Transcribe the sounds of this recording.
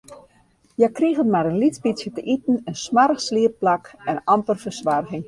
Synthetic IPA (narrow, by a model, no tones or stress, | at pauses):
jɛkriɣənmaɾənlitspitsjətəʔitn̩ənsmaɾəxsliəpːlakɛnɑmpərfərsʋarɣɪŋ